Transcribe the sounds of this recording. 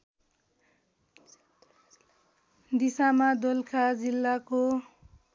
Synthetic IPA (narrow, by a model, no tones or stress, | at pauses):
d̪isamad̪olkʰad͡zilːako